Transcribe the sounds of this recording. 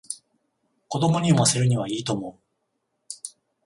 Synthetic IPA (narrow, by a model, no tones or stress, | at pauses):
ko̞d̪o̞mo̞ɲ̟ioβase̞ɾɯ̟ɲ̟iβ̞aiːt̪o̞mo̞ɯ